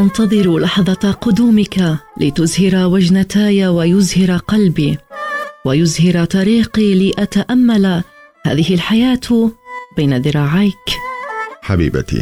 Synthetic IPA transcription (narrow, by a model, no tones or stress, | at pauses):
ʔɑnt̪ɑðˤɨɾulɑħðˤɑqʊd̪uːmɪkalɪt̪ʊzhɪɾawad͡ʒnat̪aːjawajʊzhɪɾaqɑlbiː | wajʊzhɪɾat̪ˤɑɾiːqiːlɪʔat̪aʔamːala | ha̰ːðɪhɪlħajaːt̪bajnaðɪɾˤɑːʕajk | ħabḭːba̰t̪ḭ